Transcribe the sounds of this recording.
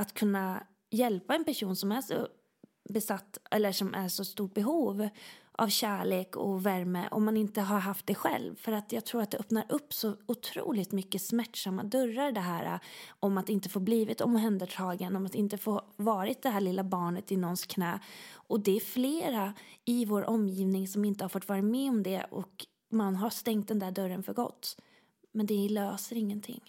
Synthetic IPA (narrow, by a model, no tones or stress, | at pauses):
at̪kʰɵnːa | jɛlpaɛnpæʂuːnsɔmæʂɔ̰ | bɛsat̪ːʔɛlːəʂɔmʔæ̰ɾʂɔst̪uːʈ̚bɛɦuːvʔa̰vɕæːɭeːkɔ̰væɾmə̰ʔɔ̰mːanɪnt̪əɦaɾɦaft̪̚d̪ɛɧɛ̰lvfœɾat̪jɑːɡ̚t̪ʰɾuːɾat̪̚d̪ɛœpnaɾɵpːsɔʊt̪ʰɾṵːlɪt̪mʏkːəsmæʈʂamːa̰d̪œɾːaɾɖ̪ɛɦæːɾa̰ɔmat̪ɪnt̪əfoːbliːvɪt̪ɔ̰mɦɛnd̪əʈʰɑːɡənɔmat̪ɪnt̪əfoːvɑːɾɪt̪̚d̪ɛɦæːɭɪlːabɑːɳət̪ɪnɔnskʰnɛːʔɔd̪ɛːfleːɾaɪvoːɾʔɔmjiːvnɪŋsɔmɪnt̪əhaɾfoːʈ̪ːvɑːɾɪt̪mɛɔmd̪ɛ̰ʔɔ̰k | manɦast̪ɛŋkt̪̚d̪ɛnd̪æːɖœɾənfœɾɡɔ̰t̪ː | mɛnd̪ɛløːsəɾɪŋːənt̪ʰɪ̰ŋː